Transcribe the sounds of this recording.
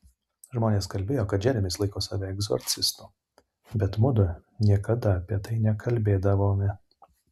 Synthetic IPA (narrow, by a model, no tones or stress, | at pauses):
ʒmoːnʲeːskɐlʲbʲeːjoːkɐt̪̚d͡ʒʲæːlʲɪmʲɪslˠɐɪkoːsɑːʋʲɛɛɡzo̰ɾʲt̪sʲɪst̪uː | bʲɛt̪mʊd̪ʊnʲiɛkɐd̪ɐɐpʲiɛt̪ɐɪnʲɛkʰɐlʲbʲeːd̪ɐʋoːmʲɪ